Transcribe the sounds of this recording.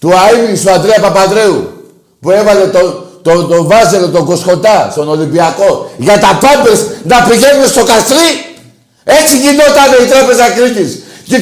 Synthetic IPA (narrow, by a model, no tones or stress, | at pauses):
t̪uaimisuand̪ɾeɐpɐpaðɾe̞u | pue̞vɐle̞t̪ot̪ot̪ovɐzelot̪o̞ɡo̞sko̞nt̪ɐst̪o̞no̞limbiɐko̞ʝɐt̪ɐpambesnɐpiʝenunest̪o̞kast̪ɾi | et͡siʝino̞t̪ɐne̞it̪ɾɐpe̞zɐkɾicisce